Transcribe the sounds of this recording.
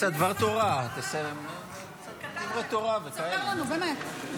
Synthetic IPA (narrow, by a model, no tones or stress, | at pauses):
sad̪vaʁt̪oʁat̪esem | d̪ivʁet̪oʁavekaelanubemet̪